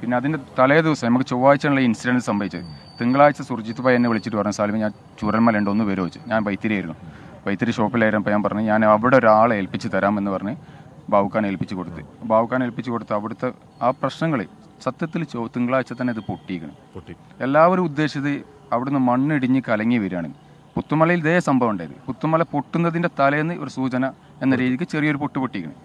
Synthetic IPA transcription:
pinːe̞ɐðindet̪ɐlɐjɐðiʋɐsɐmenmɐkːɨt͡ɕoːʋaːjit͡ɕːaːnuɭːɐinsidɐɳɖsɐmbɐʋit͡ɕːɐðɨ̰t̪iŋɡɐɭaːjit͡ɕːɐsurt͡ɕːit̪ːɨpajenːeʋiɭit͡ɕːiʈːɨpɐrɐɲːɐsaːlimɐɲaːn | t͡ɕuːɾɐlmaːleɳɖo̞nːɨʋeɾoːit͡ɕːɨɲaːnʋɐjt̪ːiɾijaːjiɾunːu | ʋɐjt̪ːiɾiɕo̞ːpːilaːjiɾnːɐp̬ːoɲaːnpɐrɐɲːɨɲaːnɐʋiɽeoɾaːɭelpit͡ɕːɨt̪ɐɾaːmenːɨpɐrɐɲːɨbʱaːʋukːaːnelpit͡ɕːɨko̞ɽut̪ːɨbʱaːʋukːaːnelpit͡ɕːɨko̞ɽut̪ːɨɐʋiɽut̪ːɐ | aːprɐɕnɐŋːɐɭe | sɐt̪jɐt̪ːilt͡ɕoːt̪iŋɡɐɭaːit͡ɕːɐt̪ːɐnːeɐðɨpo̞ʈːijkʲːɐɳɐ̰m | e̞lːaːʋo̞ɾumud̪ːe̞ːɕɐt̪ːɨ | ɐʋiɽunːɨmɐɳːiɽiɲːɨkɐlɐŋːiʋɐɾaːɳenːɨ | put̪ːumɐlɐjild̪eːjɐsɐmbʱɐʋuɳɖaːjiɾuɨput̪ːumɐlɐpo̞ʈːunːɐðinde̞t̪ɐlɐjenːɨʔo̞ɾusuːt͡ɕɐnɐ | e̞nːɐɾiːðikʲːɨt͡ɕerijɐo̞ɾupo̞ʈːupoʈːijkʲːɐɳɐ̰

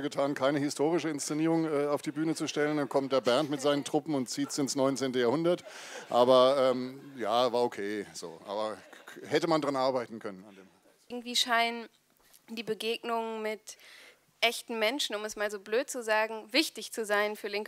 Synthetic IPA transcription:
ɡətʰaːnkʰaɪnəhɪstʰoːʁɪʃəɪnst͡seniːʁ̞ʊŋɛːaʊfd̥iːbyːnət͡suʃtɛləndankʰɔmt̚d̥eːɐbɛɐntmɪtz̥aɪnəntʁ̥ʊpm̩ʊntt͡siːtsɪnsnɔʏnt͡seːntəjaːɐhʊndɐtʔaːbɐʔɛːmjaːvaːɐokʰeːz̥o̰ːʔa̰ːbɐhɛtəmandʁanʔaɐbaɪtn̩kʰœnənandeːma | ɡŋ̩tv̥iːʃaɪnən | diːbəɡeːɡnʊŋmɪt | ʔɛçtn̩mɛnʃn̩ʊmɛsmaːlzoːbløːtt͡suzaːɡŋ̩vɪçtɪçt͡suzaɪnfyːɐlɪŋk

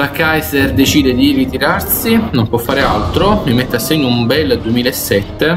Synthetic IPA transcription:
lakajzɛrd̪et͡ʃiːd̪ed̪irit̪iɾarsinompwɔfːaːɾealt̪ɾomimɛt̪ːeasːeɲːʊumbɛlːd̪uemiːlaesːɛt̪ːe

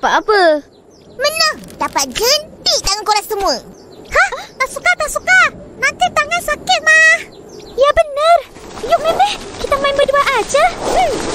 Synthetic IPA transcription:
paʔapə | mənəŋd̥̪apaʔ̚d͡ʒənt̪iʔt̪aŋankuɾasəmuə | hãt̪aʔsukat̪aʔsukanant̪it̪aŋansakɪt̪̚mah | ijabənər | jʊʔ̚meməhkit̪amaɪnbəduaʔad͡ʒa

